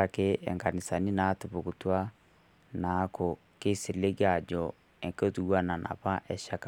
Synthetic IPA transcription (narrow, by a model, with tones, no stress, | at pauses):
a˨ke˦ɛ̰˨ŋɡa˨ni˨sa˨ni˦na˦tu˨βu˨ku˨twa˦ | na˨˦ko˨ | ke˦si˨le˦ɡa˨d͡ʒɔ˨ | ɛ˨ŋko˦tu˦ɣwa˦na˨nʔa̰˨pa˦ʔɛ˨ʃa˦ka